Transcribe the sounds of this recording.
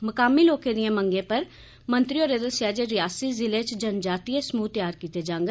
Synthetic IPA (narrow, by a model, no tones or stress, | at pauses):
məkaːmiːloːkẽːd̪ɪjãːməŋɡẽːpəɾ | mə̃nt̪ɾioːɾed̪əsjaːd͡ʒeːɾɪjaːsiːzɪleːt͡ʃd͡ʒənd͡ʒaːt̪ieːsəmuːt̪ɪjaːɾkiːt̪eːd͡ʒãːŋɡ